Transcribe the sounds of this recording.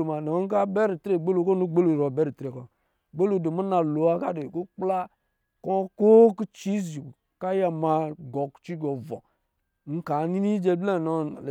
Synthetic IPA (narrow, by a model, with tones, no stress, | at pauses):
o˨ma˨nɔ˨˦ŋ̩˦ka˦bɛ˦ɾi˨te˨ɡ͡be˦lo˨˦ko˦nu˦ɡ͡be˦lo˨ɾɔ˨bɛ˦ɾi˨tɾe˨kɔ˨ | ɡ͡be˦lo˨do˨mu˦na˨lo˨˦a˦ka˦de˨ko˦k͡pla˦ | kɔ˦ko˦ki˦t͡ʃi˦zi˨ | ka˦ja˨ma˨ɡɔ˨kt͡ʃi˦ɡɔ˨vɔ̰˨ | ŋ̩˦ka˨˦ni˦ni˦d͡ʒe˦blɛ˦˨nɔ˦n˨l